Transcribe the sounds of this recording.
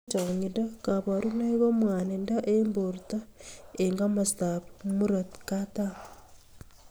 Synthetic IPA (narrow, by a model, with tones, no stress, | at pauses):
t͡ʃa˨ɲi˨daka˨βa˨ɾu˦na˦i˦ɣo˦mwaː˨nenda˦ʔembo˨ɾta˦eŋɡa˦mastapmu˦ɾatkata